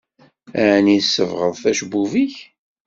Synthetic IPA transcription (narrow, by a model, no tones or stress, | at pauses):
æʕnisːəvʁəðˤθæʃbːuviç